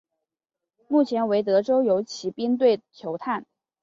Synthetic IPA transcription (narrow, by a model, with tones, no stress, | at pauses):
mu˥˩t͡ɕʰjɛ˧˥nwe˧˥ɪt̪̬ɤ˧˥ʈ͡ʂo˥ʊjo˧˥ʊt͡ɕʰi˧˥pi˥ŋt̪we˥˩ɪt̪ʰjo˧˥ʊt̪ʰa˥˩n